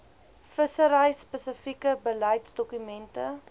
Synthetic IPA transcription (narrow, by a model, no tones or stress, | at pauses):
fəsəɾəjspəsəfikəbəlɐjtsdɔkymɛntə